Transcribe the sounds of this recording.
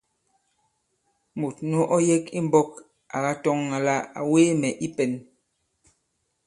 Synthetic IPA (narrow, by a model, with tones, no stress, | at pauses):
mu˨tno˦ʔɔ˦je˦ki˦m˦bɔ˦k | a˨ɣa˦tɔ˦ŋːa˨la˦a̰˨weː˦mɛ˨ʔi˦pɛ˨n